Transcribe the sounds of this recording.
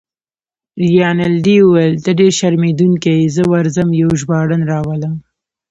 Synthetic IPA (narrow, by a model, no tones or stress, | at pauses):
ɾijɑːnald̪iuwelt̪aɖeɾʃaɾmed̪uŋkejzəwaɾzəmjawʒbɑɽənɾɑːwaləm